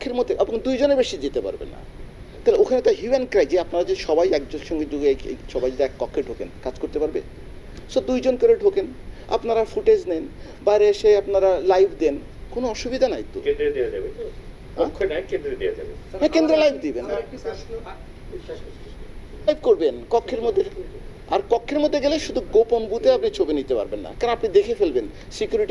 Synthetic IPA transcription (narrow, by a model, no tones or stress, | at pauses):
kʰːeɾmot̪eʔeboŋd̪ujd͡ʑonebeʃid̪it̪epa̰ɾbḛnːa̰ | t̪aleokʰanet̪aɦjumenkɾajd͡ʑeapnaɾad͡ʑeʃɔbajɛkd͡ʑoʃɔŋɡed͡ʑoɡeeḛʃɔbajd͡ʑet̪iɛkːɔkʰːeɖʱokenkad͡ʑkoɾt̪epaɾbe | sod̪ujd͡ʑonkoɾeɖʱokena̰pnaɾafuʈed͡ʑnen | bajɾeeʃeapnaɾalajbʰʱd̪en | konoɔʃubid̪ʱanajt̪ṵkend̪ɾed̪iad͡ʑabe | kɔ̃kʰːenajkend̪ɾed̪ijad͡ʑa̰beɛkend̪ɾelajbʰʱd̪ibenː | ajbʰʱkoɾbenkɔkʰːeɾmod̪ʱːe | aɾkɔkʰːeɾmod̪ʱːeɡeleʃud̪ʱuɡoponbut̪eapnit͡ɕʰobinit̪epa̰ɾbenːa̰kaɾonapnid̪ekʰefelben | sikjuɾiʈi